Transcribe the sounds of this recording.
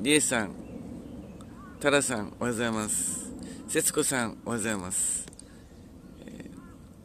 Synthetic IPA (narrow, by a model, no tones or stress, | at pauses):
ɾʲiesãŋ | t̪aɾasãŋoɡazaimasɨ̥se̞t͡sɨ̥ko̞sãŋoɡazaimasɨ̥